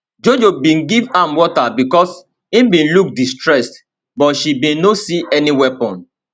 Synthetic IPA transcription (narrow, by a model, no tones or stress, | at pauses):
d͡ʒod͡ʒobĩnɡivãmwɔtabikɔs | ĩmbĩnluk̚distɹɛst | bɔtʃibĩnnosiʔɛniwɛpɔ̃n